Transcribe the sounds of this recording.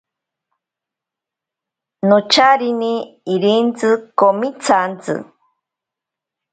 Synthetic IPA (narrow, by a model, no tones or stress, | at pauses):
not͡ʃʰaɾiniiɾint͡sɨkomit͡sʰant͡sɨ̰